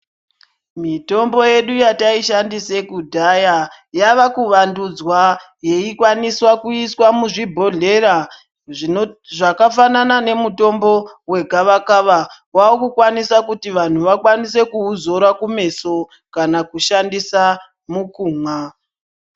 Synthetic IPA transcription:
mito̞mbo̞je̞ɗujataiʃandise̞kudʱaja | jaʋakuʋandud͡zwa | je̞ikwaniswakuiswamuʐibʱo̞ɮe̞ɾa | ʐakafananane̞muto̞mbo̞we̞ɡʱaʋakaʋa | waokukwanisakutiʋan̤uʋakwanise̞kuuzo̞ɾakume̞so̞ | kanakuʃandisa | mukuːma

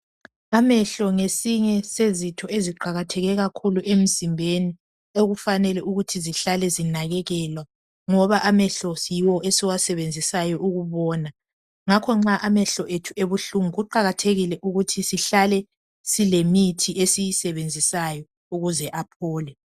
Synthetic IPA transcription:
amɛɬɔŋesiɲɛsezitʰɔeziǃaɣatʰɛɣɛɣakʰuluʔem̩zimbʱeni | oɣufanɛlɛʔuɣutʰiziɬalɛzinaɣɛɣɛlwa | ŋɔβaʔamɛɬɔjiwɔʔesiwasɛβend͡zʱisajɔʔuɣuβɔːna | ŋakʰɔŋ͡ǁaʔamɛɬɔʔetʰueβuɬuŋuɣuǃaɣatʰeɣilɛʔuɣutʰisiɬalɛ | silemitʰiʔesijisɛβend͡zʱisajɔ | uɣuzɛʔapʰɔːlɛ

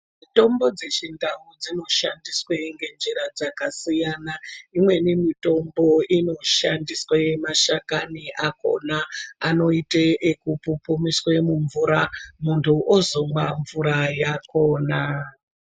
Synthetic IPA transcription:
mito̞mbo̞d͡ze̞t͡ʃindaud͡zino̞ʃandisweŋɡe̞nd͡ʒiɾad͡zakasijanaimwe̞nemito̞mbo̞ino̞ʃandiswajemaʃakaniʔako̞̰naːno̞iteʔekupupumiswemuɱvuɾamuntʰuʔozoŋwaɱvuɾajako̞ːna

